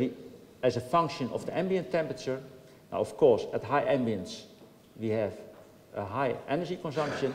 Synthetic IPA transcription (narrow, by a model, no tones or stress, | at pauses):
iɛzəfʌ̃ŋkʃə̃nɔ̰fdiʔɛ̃mbiə̃ntʰɛ̃mpɹət͡ʃə˞ | na̰ʊɔfkʰɔɹsɛtɦaɪʔɛ̃mbiə̃ns | wiɛv | ʔəɦaɪʔɛnəd͡ʒikɔ̃nsʌ̃ŋkʃə̃n